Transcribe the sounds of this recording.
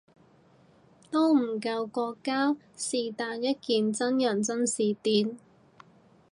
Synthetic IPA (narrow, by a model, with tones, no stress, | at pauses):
t̪o˥wm̩˨˩kɐ˧wkɔː˧kːaː˥ | siː˨t̪aː˨˧njɐ˥t̚kiː˨nt͡sɐ˥njœ˨˩nt͡sɐ˥nsiː˨˩t̪iː˧n